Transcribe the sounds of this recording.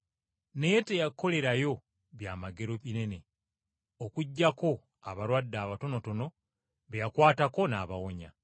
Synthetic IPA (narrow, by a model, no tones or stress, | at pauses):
ne̞jetejakːo̞le̞ɾajo̞ | βjaːmaɡe̞ɾoβine̞ne̞ | okuɟːako̞ | a̰βaɾwadːaːβato̞no̞to̞no̞ | βejakwaːtako̞naːβawoɲa̰